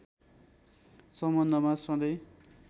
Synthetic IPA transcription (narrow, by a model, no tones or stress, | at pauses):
sʌmbʌnːʌmasʌ̃d̪ʌj